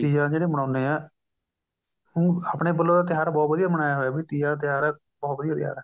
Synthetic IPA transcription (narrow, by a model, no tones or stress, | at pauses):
ʈiːjãːd͡ʒeːɽeːməɽ̃aːʊneːɛː | hʊ̃aːpɽeːbəlːõːd̪aːt̪ɪjaːɾaːbɔːt̪ʋəd̪ijaːməɽaːjaːɦoːaːbiːt̪iːjãːt̪̬ɪjaːɾɛː | bɔːt̪ʋəd̪ijaːt̪ɪja̰ːɾɛː